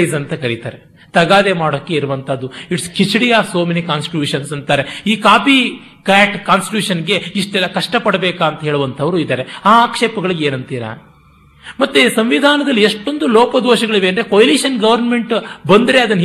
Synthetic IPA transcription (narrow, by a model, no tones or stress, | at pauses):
sɐnt̪ɐkɐɾit̪a̰ːɾe | t̪ɐɡaːd̪emaːɽoːkːe̞iɾuʋɐnt̪ʰɐd̪ːuiʈskit͡ʃiɽijaːsoːmenikaːnsʈiʈjuːʂɐnsɐnt̪aːɾeiːkaːpi | kaːʈkaːnsʈiʈjuːʂɐnɡe̞iʂʈɛlːɐkɐʂʈɐpɐɽɐbeːkaːɐnt̪ɐɦeːɭuʋɐnt̪ʰɐʋɐɾuid̪ɐːɾeaːkʂeːpɐɡɐɭiɡeːnɐnt̪iːɾa̰ | mɐt̪ːesɐmʋid̪ʱaːnɐd̪ɐlːieʂʈo̞nd̪ulɔːpɐd̪oːʃɐɡɐɭiʋe̞ɐnd̪ɾe̞kojɐliʃɐnɡɐʋɐɾnme̞ɳʈbɐnd̪ɾe̞ɐd̪ɐnː